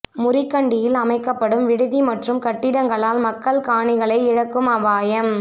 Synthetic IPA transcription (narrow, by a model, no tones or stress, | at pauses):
mʊrɪkːɐɳɖɪjɪlɐmɐɪkːɐpːɐɽɯmʋɪɽɯðimɐʈrɯmkɐʈːɪɽɐŋɡɐɭaːlmɐkːɐɭkaːɳɪɣɐɭɐɪɪɻɐkːɯmɐʋaːjɐm